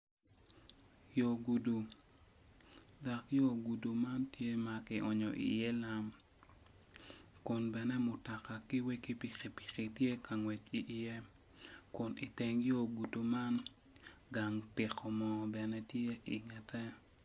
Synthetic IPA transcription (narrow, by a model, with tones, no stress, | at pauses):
jo˨ɡu˨du˨ | da˨kjo˦ɡu˨du˨ma˦ntje˦ma˦kɪ˨ʔɔ˨ɲɔ̰˨ʔḭ˨je˦la˦m | kʊ˨nbɛ˨nɛ˦mʊ˨tɔ˨ka˨kɪ˦we˦ki˦pi˨ke˨pi̥˨ki˨tje˦ka˨ŋwe˨t͡ʃi˨ʔje˦ | kʊ˨ni˨te˨ŋjo˦ɡu˨du˨ma˦n | ɡa˨ŋpɪ˨kɔ˨mɔ˨bɛ˨nɛ˦tje˦i˨ŋɛ˨tʰɛ˦